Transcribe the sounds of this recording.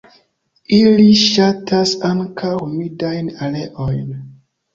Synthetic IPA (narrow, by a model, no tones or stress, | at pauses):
iliʃatʰasaŋkʰawmidajnaleʔojn